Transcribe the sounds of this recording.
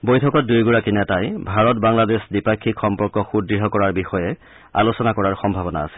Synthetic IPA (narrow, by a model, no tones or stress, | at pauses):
bojtʰɔkɔt̚dujɡuɹakinɛtajbʱaɹɔtbaŋladesdipakʰːikxɔmpɔɹkɔxudɹiɦɔkɔɹaɹbixɔjɛ | a̰losɔnakɔɹaɹxɔmbʱabɔna̰ːsɛ̥l